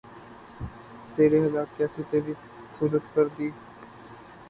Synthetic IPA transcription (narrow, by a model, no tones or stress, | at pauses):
t̪eːɾeːɦəd̪aːkkeəsĩːt̪eːʋi | suːɾət̪kəɾd̪iː